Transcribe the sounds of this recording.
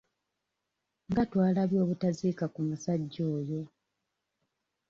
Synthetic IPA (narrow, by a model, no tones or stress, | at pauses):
ŋɡatwaːlaβjo̞ːβutazikakumusaɟːo̞ːjo̞